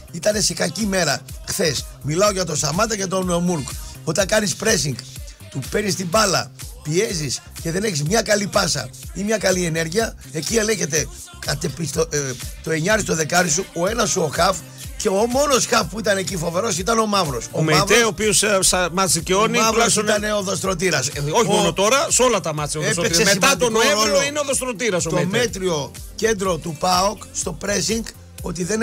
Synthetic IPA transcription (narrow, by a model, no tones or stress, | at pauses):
it̪ɐne̞sikɐcime̞ɾɐxθe̞smilɐoʝɐt̪o̞st̪ɐmɐt̪ɐcet̪o̞nmuɾk | o̞t̪ɐŋkɐnispɾe̞siŋɡ | t̪upenist̪ibɐlɐ̰pie̞zis | ce̞ðe̞ne̞çizmɲɐkɐlipɐsɐ̰imɲɐkɐlie̞ne̞ɾʝiɐ | e̞cie̞le̞çe̞t̪̬e̞ | kɐt̪epist̪ot̪o̞e̞ɲɐɾist̪oðe̞kɐɾisuo̞e̞nɐsuo̞xɐf | ce̞omo̞no̞sxɐfpuit̪ɐne̞cifo̞ve̞ɾo̞sit̪ɐno̞mɐvɾo̞somevɾeopiossmɐsiceo̞nimɐvɾosit̪ɐne̞oðost̪ɾo̞t̪̬iɾɐsoçimonot̪oɾɐso̞lɐt̪ɐmɐt͡sioðesemeɐt̪onenoineoðost̪ɾot̪iɾɐsot̪omme̞t̪ɾio̞ce̞nd̪ɾo̞t̪upɐokst̪o̞pɾe̞siŋɡ | o̞t̪iðe̞n